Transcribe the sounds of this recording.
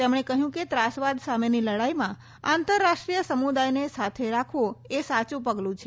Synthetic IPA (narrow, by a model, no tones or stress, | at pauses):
t̪emɳ̃ekəɦjũket̪ɾasʋad̪sameniləɽaimã | ant̪əɾːaʃʈɾijəsəmud̪ajnesat̪ʰeɾakʰʋoesat͡ʃũpəɡlũt͡ʃʰe